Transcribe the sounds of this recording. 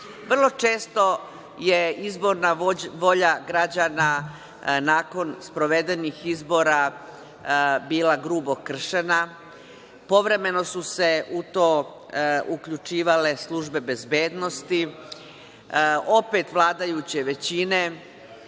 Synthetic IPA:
ʋr̩lˠo̞t͡ʃe̞ːst̪o̞ | je̞izbo̞ɾnaʋo̞ʎaɡɾad͡ʑaːna | naːko̞nspɾoʋe̞d̪enixizbo̞ɾa | biːlaɡɾuːbo̞kr̩ʃe̞na | po̞ʋɾe̞me̞no̞suse̞ʔut̪o̞ː | ukʎut͡ʃiːʋale̞slˠuʒbe̞be̞zbe̞ːd̪no̞st̪i | o̞pe̞t̪ʋlˠaːd̪ajut͡ɕeʋe̞t͡ɕine̞

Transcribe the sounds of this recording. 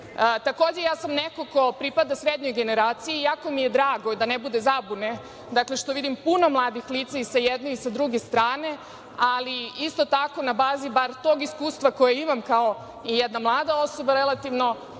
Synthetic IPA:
t̪akoːd͡ʑejaːsamnekoko̞pɾipad̪asɾed̪ɲojɡe̞ne̞ɾaːt̪sijijaːko̞mije̞d̪ɾaːɡo̞d̪anebud̪e̞zabune̞ | d̪akle̞ʃt̪oʋid̪impuno̞mlˠaːd̪ixliːt̪saisajed̪noisad̪ɾuɡest̪ɾaːne̞ | aliist̪o̞t̪ako̞nabaːzibaɾt̪o̞ːɡiskuːst̪ʋako̞jeimamkao̞ | ijɛd̪namlˠaːd̪ao̞so̞baɾelˠat̪iʋno̞

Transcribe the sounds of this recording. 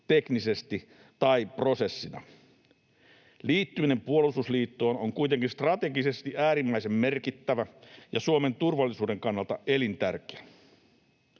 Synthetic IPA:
t̪eknise̞st̪i | t̪ɑipro̞se̞sːinɑ̰ | liːt̪ːymine̞mpuolususliːt̪ːoːnoŋkujt̪eŋkinst̪rɑt̪e̞ɡise̞st̪iʔæːɾimːæise̞mmerkit̪ːæʋæjɑsuome̞nt̪urʋɑlːˑisuːde̞ŋkɑnːɑlt̪ɑʔe̞lint̪ærkeæ

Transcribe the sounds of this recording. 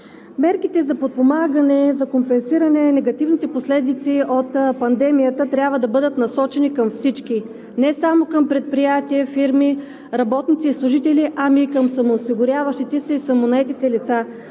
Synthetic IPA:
mɛɾkit̪ɛzɐpot̪̚pomaɡənɛzɐkompɛnsiɾɐnɛnɛɡɐt̪ivnit̪ɛposlɛd̪it̪siʔot̪pɐnd̪ɛmijət̪ət̪ɾʲjabvəd̪ɐbɤd̪ət̪nɐsɔt͡ʃɛnikɐmfsit͡ʃki | nɛsamokɐmpɾɛt̪̚pɾijat̪iɛfiɾmi | ɾɐbɔt̪nit̪siːslˠʊʒit̪ɛliʔamikəmsɐmoːsiɡʊɾʲavɐʃt̪it̪ɛsɛisɐmonɐɛt̪it̪ɛlit̪sa

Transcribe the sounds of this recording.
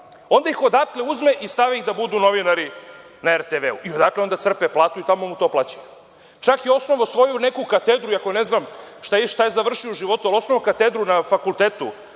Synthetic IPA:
o̞nd̪aixo̞d̪akleuzmeʔist̪aʋiixd̪abud̪uno̞ʋinaɾi | naeɾt̪eʋeuʔio̞d̪akleo̞nd̪asr̩peplˠaːt̪uit̪amomut̪o̞plˠat͡ɕuje | t͡ʂakjio̞sno̞ʋosʋo̞june̞kukat̪ed̪ɾuiakoneznamʃt̪ajeʃt̪ajezaʋr̩ʃiouʒiʋo̞t̪ualo̞snoʋokat̪ed̪ɾunafakult̪eːt̪ṵ

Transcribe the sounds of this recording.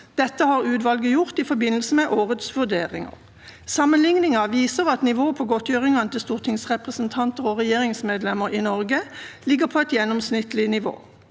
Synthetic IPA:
d̪̥ɛt̪ːəhɑːʁʉːt̪ʋɑlɡəjʊʁt̪ɪfɔbɪnəl̩səmɛʔoːʁət̪sʋʉd̪eːʁɪ̰ŋɑ̰ʁ | sɑmənlɪŋnɪŋɑʋiːsəʁɑt̪nɪʋoːpʰɔːɡɔt̪jøːʁɪŋɑnət̪ɪlst̪uːʁt̪ʰɪŋsʁɛpʁəsənt̪ʰɑnt̪əʁɔʁɛjeːʁɪŋsmeːd̪lɛməʁinɔʁɡəlɪɡəʁpʰɔɛt̪jɛnɔmsnɪt̪lɪnɪʋo̰ː

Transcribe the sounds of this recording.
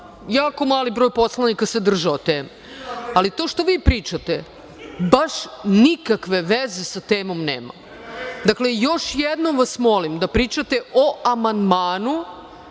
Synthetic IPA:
jaːko̞maːlibɾo̞ːjpo̞slˠanikased̪r̩ʒaot̪eːme | alit̪oʃt̪o̞ʋiːpɾiːt͡ʃat̪e | baʃnikakʋe̞ʋezesat̪eːmo̞mnḛːma̰ | d̪aklejo̞ʃjed̪nomʋasmo̞limd̪apɾiːt͡ʃat̪eoamand̪maːnu

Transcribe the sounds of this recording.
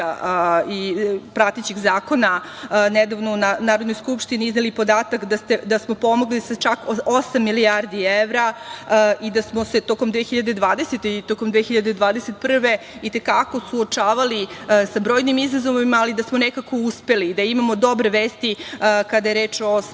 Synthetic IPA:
aipɾat̪et͡ɕiɡzaːko̞na | ned̪aʋnounanaːɾod̪nojskupʃt̪iniiznelipo̞d̪aːt̪akd̪ast̪e̞d̪asmo̞po̞mo̞ɡlisat͡ʃakosamːilijaɾd̪ieʋɾa | ʔid̪asmo̞se̞t̪o̞komd̪ʋexiʎad̪e̞d̪ʋaːd̪eset̪eit̪okomd̪ʋeːxiʎad̪ed̪ʋaːd̪eset̪̚pr̩ʋe̞ | it̪e̞kako̞suot͡ʃaːʋalisabɾo̞ːjnimizazo̞ʋimaːlid̪asmo̞nekako̞uspe̞lid̪aimamo̞d̪o̞bɾeʋeːst̪ikad̪aje̞ɾeːt͡ʃo

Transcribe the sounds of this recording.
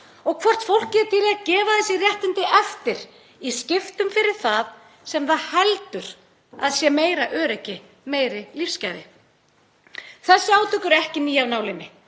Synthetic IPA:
ɔɣkʰvɔr̥t̪fowl̥kcɛt̪ʰiɾacɛːvaθɛsɪrjɛht̪ɪnt̪ɪʔɛft̪ɪɾ̥ | iscɪft̪ʏmfɪɾɪɾ̥θað | sɛmθaðhɛlt̪ʏɾ̥ | a̰ðsjɛːmeːjɾaʔœːɾɛcːɪ | meːjɾɪlifscaːjðɪ | θaðsɪaːwt̪ʰʏkʏɾɛhcɪniːjawnaːwlɪmɪ

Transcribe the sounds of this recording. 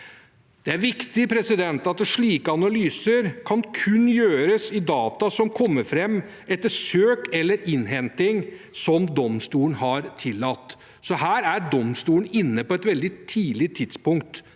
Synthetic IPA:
d̪̥ɛæɾʋɪkt̪ɪpʰɾɛsɪd̪ɛnt̪ɑt̪̚d̪ɛʂɭiːkəɑnɑlyːsəɾkʰɑnkʰʉnjøːɾəsɪd̪ɑːt̪ɑsɔmkʰɔmːəɾfɾɛmː | ɛt̪ːəsøːkɛlːəɾʔɪnɦɛnt̪ɪŋsɔmd̪ɔmst̪uːlənhɑɾt̪ʰɪlːɑt̪ː | sɔɦæːɾæɾɖɔmst̪uːən̩ɪnːəpɔɛt̪ʋɛld̪ɪt̪ʰiːlɪt̪ʰɪd̪spʊŋkt̪

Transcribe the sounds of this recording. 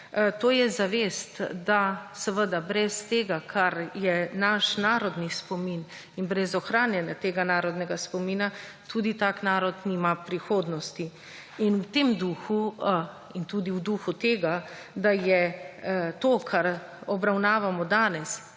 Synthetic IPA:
t̪oːjɛzaʋest̪d̪asɛʋəd̪abɾɛst̪eːɡakʰaɾjɛnaʃnaːɾɔd̪nispɔmin | inbɾɛzɔxɾaːnjɛnjat̪eːɡanaːɾɔd̪nɛɡaspɔmiːna | t̪ʰuːd̪it̪aːknaːɾɔt̪niːmapɾixoːd̪nɔst̪i | inuwt̪eːmd̪uxu | int̪uːd̪iwd̪uxut̪eːɡad̪ajɛ | t̪oːkʰaɾɔbɾawnaːʋamɔd̪aːnɛs

